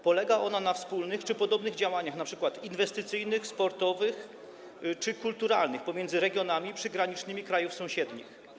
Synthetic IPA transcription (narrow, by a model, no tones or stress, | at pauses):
pɔlɛɡaʔɔnanafspulnɘxt͡ʂɘpɔd̪ɔbnɘɣd͡ʑawaɲaxnapʂɘkwat̪invɛst̪ɘt̪sɘjnɘxspɔɾt̪ɔvɘx | t͡ʂɘkult̪uɾa̰lnɘxpɔmʲjɛnd̪zɘɾɛɡʲjɔnamʲipʂɘɡɾaɲit͡ʂnɘmʲikɾajufsɔ̃w̃ɕɛd̪ɲḭx